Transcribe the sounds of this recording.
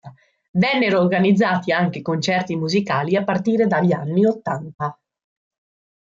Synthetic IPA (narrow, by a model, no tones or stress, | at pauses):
vɛnːeɾoːrɡanid̪zːaːt̪iaŋk̟ekont͡ʃɛrt̪imuzikaːliapːart̪iːɾed̪aʎːanːiot̪ːant̪a